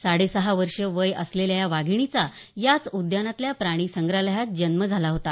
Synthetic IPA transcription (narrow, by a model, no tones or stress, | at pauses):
saɽesəɦaʋəɾʂəʋəjə̰sleljajaʋaɡʱiɳ̃it͡sa | jat͡sud̪janat̪ljapɾaɽ̃iːsəŋɡɾaləɦat̪̚d͡ʑənməd͡zʱalaɦot̪a